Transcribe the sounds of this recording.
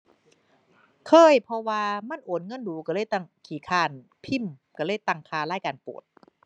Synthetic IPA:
kʰɤː˧˥˩jpʰɔ˧waː˧ma˧˥˨nʔoː˨˦nŋɤ˧˥˨nduː˨˦ka˧˩ɤ˧˥˨jt̪a˧˩ŋkʰiː˨˦kʰaː˧˩n | pʰi˥˩mka˧˩lɤː˧˥˩jt̪a˧˩ŋkʰaː˧laː˥˩jkaː˧˨npṵ˨˩ət̪̚

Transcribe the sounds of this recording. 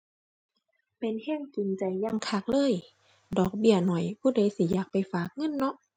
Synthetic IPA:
pe˨nhɛ˧˥˨ŋki˨˩nt͡ɕa˨˩jːa˧˥˨ŋkʰa˧˩k̚lɤː˧˥˨j | dɔː˨˩k̚bi˧˩ɐnɔ˨˩jpʰuː˧˩˨daː˧˦jsi˧˨˦jaː˨˩k̚pa˨˩jfaː˨˩k̚ŋɤ˧˥˨nːɔ˧˥ʔ

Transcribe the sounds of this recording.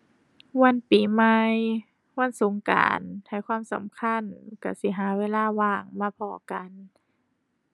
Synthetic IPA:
wa˧˨npiː˨˩˦ma˧j | wa˧˥˨nsoː˨˦ŋka̰ː˨˩nha˧˨˩jkwaː˧˥˨msa̰˨˦mkʰa˧˥˨nka˧˩si˧˦ɦaː˨˦weː˧˥˨laː˧˥˨waː˧˩ŋmaː˧˥˨pʰɔː˧˦ka˨n

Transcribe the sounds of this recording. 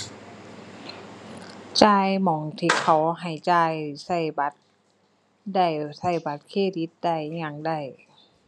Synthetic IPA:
t͡ɕaː˧jmɔː˨˦ŋt̪ʰiː˧˩kʰa˨˩wɦa˨˩jt͡ɕaː˧jsa˧˩jba˧˦t̪̚ | da˧˩jsa˧˩jba˧˦t̪̚kʰeː˧˩˨di˧˦t̪̚da˧˩jɲa˧˩ŋda˧˩j

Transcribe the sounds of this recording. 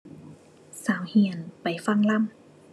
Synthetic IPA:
saː˨˦whi˧˩ənpa˨˩jfa˧˥˨ŋla˧˥˨m

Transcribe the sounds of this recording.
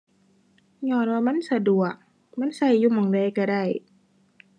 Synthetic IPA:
ɲɔː˧˨nwaː˧ma˧˥˨nsa˧du˨˩ək̚ | ma˧˥˨nsa˧˩jːuː˧˩mɔː˨˩˦ŋda˧˩jka˧˩da˧˩j

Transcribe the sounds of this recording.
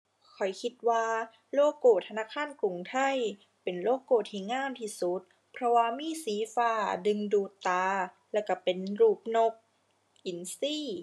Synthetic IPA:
kʰɔ˨˩jkʰi˧˥t̪̚waː˧ | loː˧˥˩koː˧˩t̪ʰːa˧naː˧˥˨kʰaː˧˥˨nku˨˩ŋt̪ʰa˧˥˩j | pe˨nloː˧˥˩kːoː˧˨˩t̪ʰːiː˧˩˨ŋaː˧˥˨mt̪ʰiː˧˩su˧˦t̪̚ | pʰɾɔ˧waː˧miː˧˥˨siː˨˦faː˧˩dɯ˧ŋduː˧˩t̪ːaː˧ | lɛː˧˩ka˧˩pe˨nɾuː˧˩p̚no˧˩k̚ | ʔi˨˩˦nsiː˧˥˩

